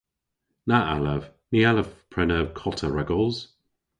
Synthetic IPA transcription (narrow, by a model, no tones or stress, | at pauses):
naʔa̰ləvnialəvpʰɹ̥ɛnəkʰɔtʰəɹɛɡɔlˠz̥